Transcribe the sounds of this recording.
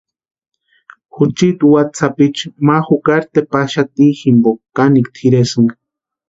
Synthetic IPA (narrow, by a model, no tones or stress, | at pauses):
xut͡ʃit̪uwat͡sʰapit͡ʃmaxukaɾt̪epaʃat̪iximbokanikt̪ʰiɾesɨŋɡ